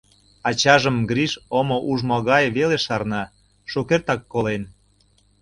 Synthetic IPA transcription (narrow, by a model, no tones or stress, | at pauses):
ɑt͡ɕɑʒəmɡɾiʃomoʔuʒmoɣɑjβeleʃɑrnɑ | ʃokert̪ɑkːolen